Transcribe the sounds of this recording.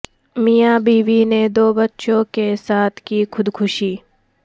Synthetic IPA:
mijaːbiːʋined̪oːbɐtːʃõkesaːt̪ʰkiːxʊd̪kʰʊʃiː

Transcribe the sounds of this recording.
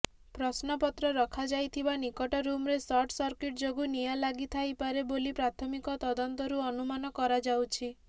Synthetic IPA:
pɾɔsnɔpɔt̪ɾɔɾɔkʰad͡ʒajt̪ʰibanikɔʈɔɾumɾesɔʈsɔɾkeʈd͡ʒoɡunijalaɡit̪ʰajpaɾebolipɾat̪ʰɔmikɔt̪ɔd̪ɔnt̪ɔɾuɔnumanɔkɔɾad͡ʒawt͡ʃʰi

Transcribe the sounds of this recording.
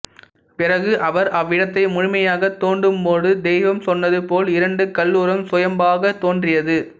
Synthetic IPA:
pɪrɐɣɯʔɐʋɐɾɐʋːɪɽɐt̪ːɐɪmʊɻʊmɐjaːɣɐt̪ːoːɳɖɯmboːðɯd̪ɛːʋɐmsɔnːɐðɯpoːlɪɾɐɳɖɯkɐlːuːɾɐmsʊjɐmbaːɣɐt̪oːndrɪjɐðɯ

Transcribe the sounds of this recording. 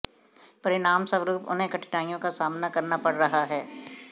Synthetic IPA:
pɐɾɪnaːmsɐ̃ʋɾuːpʊ̰nẽkɐʈɪ̥ʈaːijõkasaːmnakɐɾnapɐɽɾɐɦaɦɛː

